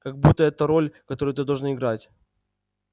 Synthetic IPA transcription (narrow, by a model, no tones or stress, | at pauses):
kɐɡ̚but̪ːəɛt̪əɾo̞lʲkɐt̪o̞ɾʊjʊt̪ɨd̪ɐlˠʐnaɪɡɾatʲ